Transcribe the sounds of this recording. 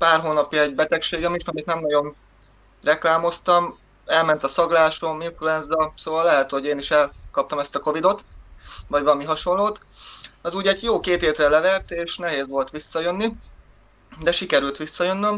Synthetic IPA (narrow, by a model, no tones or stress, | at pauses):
paːrɦoːnɒpjɒɛɟ̚bɛt̪ɛkʃeːɡɛmiʃɒmit̪nɛmnɒɟo̞n | rɛklaːmo̞st̪ɒm | ɛlmɛn̪t̪ɒsɒɡlaːʃo̞miɱfluɛnzːɒlsoːvɒlːɛɦɛt̪ho̞ɟeːniʃɛlkɒp̚t̪ɒmɛst̪ɒko̞vid̪o̞t̪vɒɟvɒlɒmiɦɒʃo̞nloːt̪ | ɒzuːɟɛɟjoːkeːt̪eːt̪rɛlɛvɛrt̪eːʃnɛɦeːzʋo̞lt̪ʋisːɒjø̞nːi | d̪ɛʃikɛɾylt̪ʋisːɒjø̞nːøm